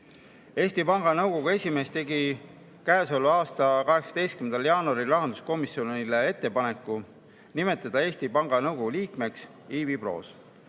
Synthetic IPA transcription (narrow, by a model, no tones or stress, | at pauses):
e̞ːsʲt̪ipɑŋɡ̥ɑnɤwɡ̥o̞ɡ̥ue̞sʲime̞ːst̪e̞ɡi | kæeso̞lːuɑːst̪ɑkɑɦe̞ksɑ̥e̞jst̪kymend̪ɑljɑːnuɑɾilɑɦɑnd̪usko̞misːio̞nnilee̞t̪ːe̞pɑne̞kːˑu | nime̞t̪ːˑɑd̪̥ɑe̞ːsʲt̪ipɑŋɡ̥ɑnɤwɡ̥o̞ɡ̥uliːkme̞ks | iːvipro̞̰ːs